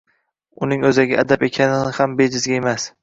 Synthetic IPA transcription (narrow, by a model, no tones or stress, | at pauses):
ʊnɪŋɵzaɡʲaʔad̪abe̞kʲʰanɪɪhambed͡ʒɪzɡʲaemas